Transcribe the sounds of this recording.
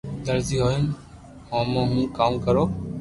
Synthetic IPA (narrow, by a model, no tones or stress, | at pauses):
d̪əɾziːɦoːɦɪn | õːmãːɦũːkaːmkəɾoː